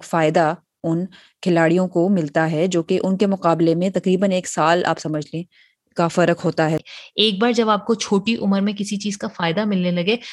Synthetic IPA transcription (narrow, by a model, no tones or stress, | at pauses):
faːɪd̪a | ʊn | kʰɪlaːɽijõkomɪlt̪aɦɛd͡ʒoːkeʔʊnkemʊqaːblemẽt̪ɐqɾiːbəneːksaːla̰ːpsɐməd͡ʒʱleẽ | kafɐɾəkʰɦoːt̪aɦɛeːk̚baːɾd͡ʒɐbaːp̚kot͡ʃʰoːʈiʔʊməɾmẽkɪsit͡ʃiːzkafaːɪd̪amɪlnelɐɡeː